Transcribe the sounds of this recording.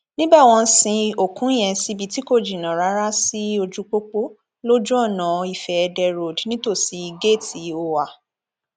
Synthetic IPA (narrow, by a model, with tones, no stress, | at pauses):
nĩ˦ba˦˨w̃ɔ̃˧sĩ˧o˨kũ˨˦i˦˨j̃ɛ̃˧si˧bi˨˧ti˦ko˦˨d͡ʒi˨nã˨ɾa˨˦ɾa˦si˦o˧d͡ʒu˦k͡po˦k͡po˦ | lo˦d͡ʒũ˦ɔ˦˨nã˨i˨fɛ˨ɛ˧dɛ˧ɾo˨dnĩ˦to˦˨si˨˦i˧ɡe˦˨ti˨o˧wa˨